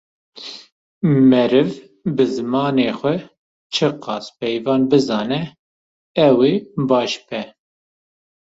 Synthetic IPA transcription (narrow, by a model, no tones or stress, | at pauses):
mɛɾɨv | bɨzɨmɑːneːxʷɛ | t͡ʃʰɨqɑːspɛjvɑːnbɨzɑːnɛ | ɛweːbɑːʃbɛ